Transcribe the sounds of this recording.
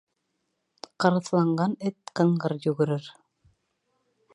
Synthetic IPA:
qɤ̆ɾɤ̆θlˠɑɴɢɑnɘt̪̚qɤ̆ɴɢɤɾjɵɣɘ̆ɾɘɾ

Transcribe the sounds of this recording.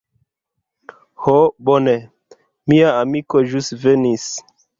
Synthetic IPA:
hobone | miaːmikoʒustvenis

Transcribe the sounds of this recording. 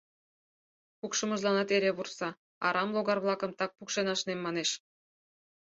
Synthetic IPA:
pukʃə̆mɤ̆ʒlˠɑnɑt̪eɾeβursɑ | ɑ̰ɾɑmlˠoɣɑrβlˠɑkɤ̆mt̪ɑk̚pukʃenɑʃnemːɑneʃ

